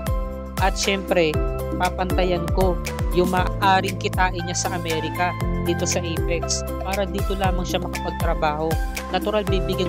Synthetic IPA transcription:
ʔɐt̪ʃɛmpɾɛ | paːpɐnt̪ɐjɐnko̞ | jʊŋmaːʔaːɾɪŋkɪt̪aːʔɪɲasɐʔɐmɛːɾɪkɐd̪iːt̪o̞sɐʔɛpɛks | paːɾɐd̪iːt̪o̞laːmɐŋʃamɐkɐpɐɡ̚t̪ɾɐbaːho̞ | nɐt̪ʊɾalbiːbɪɡa

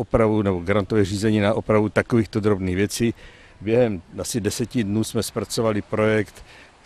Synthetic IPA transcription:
opɾavunɛboɡaɾant̪ovɛːriːzɛɲiːnaʔopɾavut̪akoviːxt̪od̪ɾo̞bniːɣvjɛt͡siː | bjɛɦɛmasɪdɛsɛcɪdnuːsmɛspɾat͡so̞valɪpɾo̞jɛkt̪

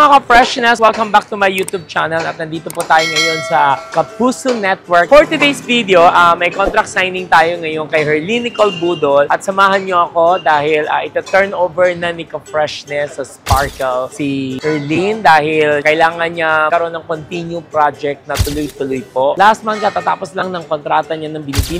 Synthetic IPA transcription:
ɐŋakɐfɹɛʃnɛswɛlkɐmbak̚t̪ʊmɐjːuːt̪jub̚t͡ʃanɐlɐ̰t̪̚nɐnd̪iːt̪opʊt̪aːjoŋɐjo̞nsɐkɐpuːsʊnɛt̪̚wɛɹkfoɹt̪ɪd̪ejsvid̪ɛoʔɐmɐjkont̪ɾɐk̚t̪sajnɪŋt̪aːjoŋɐjonkɐjhɛɹlinɪkɐlbuːd̪olʔɐt̪sɐmaːɦɐnɲoɐko̞d̪aːhɪlɐːʔɪt̪ɐt̪ɛɹnʔoːvɛɹnɐnɪkɐfɹɛʃnɛsːɐspaɹkɛlsihɛɹlind̪aːhɪlkɐʔɪlaːŋɐnɲakɐɾo̞nːɐŋkont̪injupɾad͡ʒɛk̚t̪̚nɐt̪ʊlʊjt̪ʊlʊjpoʔlahst̪̚mɐnk̪at̪at̪aːposlɐŋnɐŋkont̪ɾaːt̪ɐɲanɐŋbɪnibin

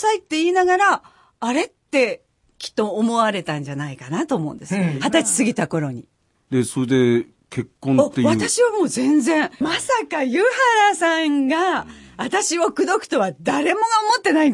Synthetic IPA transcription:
sait̪ːe̞iːnaɡaɾaː | ɾe̞t̪ːe̞ | kʲi̥t̪ːo̞ːmo̞βaɾe̞t̪ãɲ̟d͡ʑanaikanat̪o̞ːmõ̞̰ɯ̰̃nd̪e̞sɨhat̪at͡ɕi̥sɨɡʲit̪ako̞ɾo̞ɲ̟i | d̪e̞soɾed̪e̞ | ke̞kːõnoeβat̪aɕiβamo̞ːzẽ̞nzẽ̞ɰ̃masakajɯ̟haɾasãŋɡaβat̪aɕiβokɯ̟d̪o̞kɯ̥t̪o̞βad̪aɾe̞mo̞ɡaomo̞t̪ːe̞nai

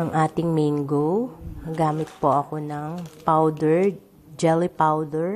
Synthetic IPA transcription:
ʔɐŋʔaːt̪ɪŋmiŋɡoɡaːmɪt̪̚poʔɐkonɐŋpawd̪ɛɹ | d͡ʒɛlɪpawd̪ɛɹ

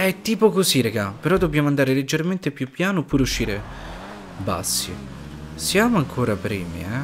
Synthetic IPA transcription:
ɛt̪ːiːpokosiɾeɡapeɾɔd̪ːobːjaːmoand̪aːɾeled͡ʒːerment̪epjupːjaːnopːuːɾeuʃːiːɾe | ba̰sːi | sjaːmoaŋkʰoːɾapɾiːmḭɛ

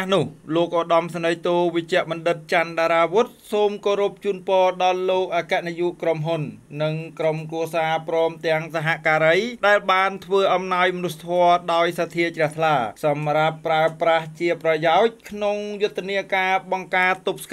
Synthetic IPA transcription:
hnʊ̆əhloːk̚ʔoːɗɑmsanəjt̪uːʋɨc̚t͡ɕːɛ̆əʔɓɑnɗɨt̪̚t͡ɕanɗaːɾaːʋŭt̪̚soːmkoːɾup̚t͡ɕuːnpɔːɗɑlːoːk̚ʔaːkɛ̆əʔnijuʔkromɦunːɨŋkromkruəsaːprɔːmt̪ɛ̆əŋsaɦaʔkaːɾəjɗaɛlɓaːnt̪ʰʋəːʔɑmnaɔjmənust̪ʰːɔəɗaɔjsat̪ʰiət͡ɕrɛ̆əht̪ʰlaːsɑmrapːraəpraht͡ɕiəprɑjaɔc̚kʰnoŋjʊt̪ʰːeniəkaːɓɑŋkaːt̪ːup̚sk

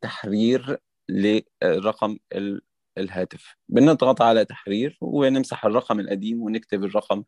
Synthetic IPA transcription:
t̪aħɾiːɾ | lerˤːɑqɑmel | lɦæːt̪ɪf | bɪned̪ˤɣɑt̪ˤʕalæt̪ḁħɾiːɾwenɪmsaħerˤːɑqɑmelʔæd̪iːmwenɪk̚t̪eberˤːɑqɑm

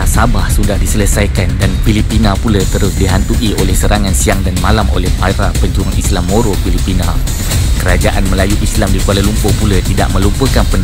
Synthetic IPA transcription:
asabahsudahdisələsajkandanfilipinãpulət̪əɾʊsdiɦant̪uʔiolɛhsəɾaŋãnsiaŋdanmalamo̰lɛhpajɾapəd͡ʒuaŋislamːoɾofilipinã | kəɾad͡ʒaʔanmə̃lajuʔislamdikualəlumpʊpulət̪ida̰ʔ̚mə̃lumpəkanpən

